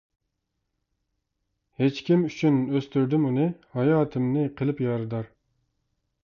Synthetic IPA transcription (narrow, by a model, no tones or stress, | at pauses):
het͡ʃkʲimyt͡ʃʰynøst̪yɾd̪ɪmunɨhɑjɑːt̪ʰɪmnɪqʰəlˠɨpjɑɾɨd̪ɑɾ